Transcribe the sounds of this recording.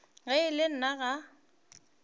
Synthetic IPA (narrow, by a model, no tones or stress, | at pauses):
ɣaɪlɪn̩naɣa